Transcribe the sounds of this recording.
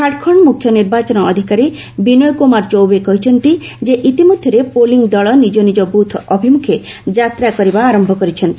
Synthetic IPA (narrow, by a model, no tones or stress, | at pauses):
kʰaʈkʰɔɳmukʰjɔniɾbat͡ʃɔnɔːd̪ʱikaɾi | binɔjkomaɾt͡ʃowbekɔɦit͡ʃʰɔnt̪i | d͡ʒeʔit̪imod̪ʱjɔɾepoliŋd̪ɔɭɔnid͡ʒɔnid͡ʒɔbut̪ʰɔbʱimukʰed͡ʒat̪ɾakɔɾibaːɾɔmbʱɔkɔɾit͡ʃʰɔnt̪i̥